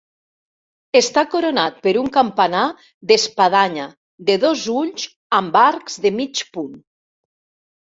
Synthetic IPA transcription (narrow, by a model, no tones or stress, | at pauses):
est̪akoɾonat̪̚peɾuŋkampana | ðespaðaɲa | d̪eðozuʎz | ambaɾkzðemit͡ʃpun